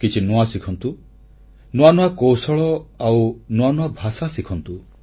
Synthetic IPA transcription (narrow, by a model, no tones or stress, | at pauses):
kit͡ʃʰinuasikʰɔnt̪u | nuanuakowsɔɭɔawnuanuabʱasasikʰɔnt̪u